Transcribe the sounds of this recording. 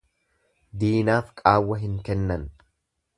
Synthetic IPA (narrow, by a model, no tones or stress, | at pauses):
d̪iːnaːfkʼaːwːɐɦɪŋkɛnːɐn